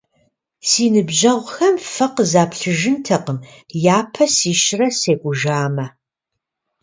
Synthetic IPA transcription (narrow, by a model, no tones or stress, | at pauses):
siːnɨbʑɐʁʷxɐmfɐqəzaːpʰɬɨʒɪntʰɐqəmjaːpʰɐsiːʃɪrɐseːkʷʼʊʒaːmɐ